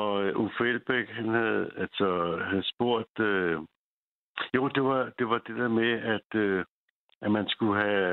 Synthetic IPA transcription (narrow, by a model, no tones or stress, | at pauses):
ɒ̽øʔufelb̥eɡ̥ɦænhæðˠælsɒhæð̩ˠsb̥o̝ɐ̰d̥ø | jo̝̰ːd̥e̝ʋɑ̈d̥e̝ʋɑ̈d̥e̝d̥eɐ̰meæd̥ø | ʔæmænsɡ̥uɦæ